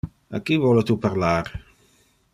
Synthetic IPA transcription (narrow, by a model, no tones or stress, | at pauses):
a̰kːivɔlet̪upaɾlaːɾ